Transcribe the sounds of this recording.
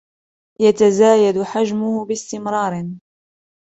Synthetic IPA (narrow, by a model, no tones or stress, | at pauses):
jat̪azaːjad̪ʊħad͡ʒmʊhʊbɪst̪ɪmɾˤɑːɾ